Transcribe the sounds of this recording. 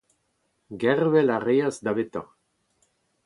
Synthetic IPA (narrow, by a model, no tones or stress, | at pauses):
ɡɛʁvɛlaʁeazd̪avet̪ã̰